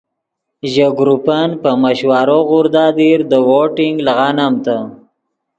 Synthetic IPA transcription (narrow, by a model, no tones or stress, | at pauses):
ʒaɡɾupanpəməʃwaɾoɣuɾd̪ɑd̪iɾd̪əwoʈɪŋɡlaɣɑnamt̪a